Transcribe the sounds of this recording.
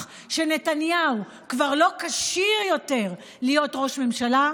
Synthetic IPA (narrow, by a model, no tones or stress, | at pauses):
ʃe̞netanjau | kvaʁlo̞kaʃiʁjo̞te̞ʁ | lijo̞tʁo̞ʃme̞mʃala